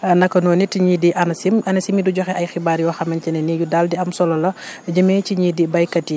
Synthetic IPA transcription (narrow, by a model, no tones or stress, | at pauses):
ɐnɐkːɐnɔːnitiɲidiʔɐnɐsimɐnɐsimiduɟɔxɛʔɐjxibaːɾjɔxɐmɐncɛnɛnijudaldiɐmsɔlɔlɐɟəmɛciɲidibɐjkɐti